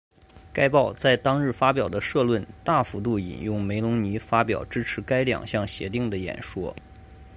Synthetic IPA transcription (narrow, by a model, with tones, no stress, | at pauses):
ka˥ɪpɑ˥˧ʊt͡sa˥˩ɪt̪ɑ˥ŋɻɻ̩˥˩fa˥pjɑ˨˩ʊd̪ə˦ʂɤ˥˧lwə˥˧nt̪a˥˩fu˧˥t̪u˥˩ḭ˨˩njʊ˥˩ŋme˧˥ɪlʊ˧˥ŋni˧˥fa˥pjɑ̰˨˩ʊʈ͡ʂɻ̩˥ʈ͡ʂʰɻ̩˧˥ka˥ɪljɑ̰˨˩ŋɕjɑ˥˩ŋɕjɛ̰˧˥t̪i˥˩ŋd̪ə˩jɛ̰˨˩nʂwɔ̰˥